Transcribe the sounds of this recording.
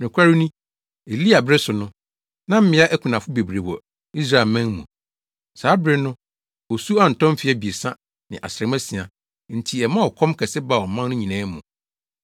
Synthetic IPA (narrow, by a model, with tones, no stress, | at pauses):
nʊ̃˨kʰʷa˦ɾi˦nĩ˦ | e˨li˦a˨bɾɪ˦sʊ˨nʊ̃˦ | nã˦m̩˦mɪ̃˨˦a˦ʔæ˦kʰũ˨nã˨fʊ˦be˨bɾe˨wɔ̰˨ | i˦s̬ɾa˦˨ɛ˨lmæ̃˦ŋmṵ̃˨ | saː˨˦bɾɪ˦nʊ̃˦ | ɔ˨su˦a˦n̩˨tʰɔ̃˦mfɪ˨˦ɛ˦bi˨e˨sã˦ | nɪ̃˨ʔa̰˨sɾɛ̃˨mæ˦sĩ˨a˨ | n̩˨tʰi˨ɛ˨mã˦wɔ˨kʰɔ̃˦mkʰɛ˨sɪ˦ba˨ɔ˨mã˦nnʊ̃˦ɲĩ˨nɛ̃ː˦mũ˨